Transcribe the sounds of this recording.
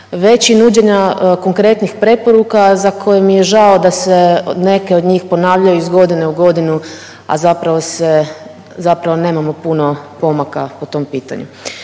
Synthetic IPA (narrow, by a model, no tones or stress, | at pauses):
ʋe̞t͡ɕinuːd͡ʑe̞ɲako̞ŋkɾe̞t̪nixpɾe̞po̞ɾukazakʰo̞jemijeʒaod̪asene̞ke̞o̞d̪ɲiːxpo̞naːʋʎajuizɡo̞d̪ine̞uɡo̞d̪inu | a̰zapɾaʋo̞se̞ | zapɾaʋo̞ne̞ːmamo̞puno̞po̞makapot̪o̞mpiːt̪a̰ɲṵ